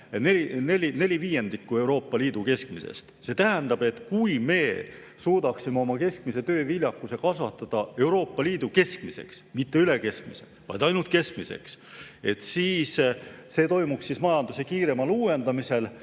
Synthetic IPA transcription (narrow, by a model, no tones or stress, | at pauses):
neline̞lʲine̞lʲiviːjend̪ikːˑue̞wɾo̞ːpːˑɑliːd̪uke̞skmisḛst̪se̞t̪æɦænd̪̥ɑb̥e̞t̪kujme̞ː | suːd̪̥ɑksimeo̞mɑke̞sk̚mise̞t̪ø̞ːvilʲjɑkːˑuse̞kɑsvɑt̪ːˑɑd̪̥ɑe̞wɾo̞ːpːɑliːd̪̥uke̞skmise̞̰ksmit̪ːe̞yle̞ke̞sk̚mise̞̰ | vɑ̰jd̪ɑjnult̪ke̞skmise̞̰kse̞t̪siːsse̞ːt̪o̞jmupsːismɑjɑnd̪̥use̞kiːɾe̞mɑluːe̞nd̪̥ɑmise̞l